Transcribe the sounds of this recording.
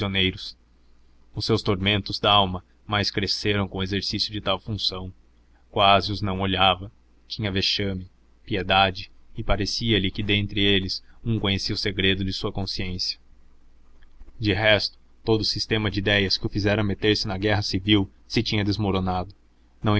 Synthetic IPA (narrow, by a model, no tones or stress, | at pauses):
onejɾʊs | ʊsːewst̪oɾmẽnt̪ʊzd̪aawmɐ | majskɾeseɾɐ̃w̃kõezeɾsisjʊd͡ʒɪt̪awfũsɐ̃w̃ | kwazɪʊznɐ̃w̃oʎavɐ | t͡ʃĩɲɐveʃɐ̃mɪ | pied̪ad͡ʒɪɪpaɾesiɐlɪkɪd̪ẽnt̪ɾɪelɪsũkõɲesiɐʊseɡɾed̪ʊd͡ʒɪsuɐkõsiẽsjɐ | d͡ʒɪɦɛst̪ʊ̥ | t̪od̪ʊsist̪ẽmɐd͡ʒɪid̪ɛjɐskɪʊfizɛɾɐmet̪eɾsɪnɐɡɛɦɐsiviw | sɪt͡ʃĩɲɐd̪ezmoɾonad̪ʊ | nɐ̃w̃